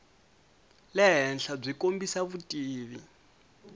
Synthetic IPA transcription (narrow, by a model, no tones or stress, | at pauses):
lɛɦɛnɬab͡ʐʷikʼombisaβutʼiːβi